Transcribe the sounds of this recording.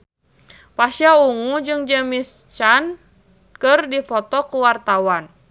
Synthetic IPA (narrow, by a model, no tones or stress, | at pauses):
pasjauŋud͡ʒɨŋd͡ʒəmis | t͡ʃan | kɨrdifɔt̪ɔkuwart̪awan